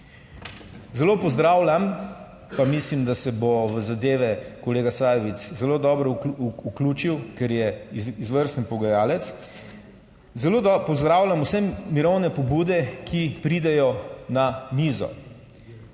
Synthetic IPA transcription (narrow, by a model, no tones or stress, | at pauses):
zɛlopɔzd̪ɾaːwlʲam | pamislimd̪asɛboʋəzad̪eːʋɛkɔleːɡasaːjɛʋit̪szɛloːd̪ɔːbɾɔukluːt͡ʃiwkɛɾjɛizʋəɾst̪npɔɡajaːlɛt̪s | zɛloːd̪pɔzd̪ɾaːwlʲamusɛmiɾɔwnɛpɔbuːd̪ɛkʰipɾid̪ɛjɔnamiːzɔ̰